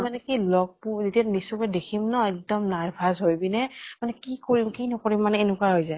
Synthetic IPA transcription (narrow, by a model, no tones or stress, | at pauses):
manɛkilɔɡ̚puzetiatnisukɛdekʰimnɔɛk̚dɔmnaɹbʱazɦojbinɛmanɛkikoɹimkinɔkoɹimːanɛenukwaɦojzaj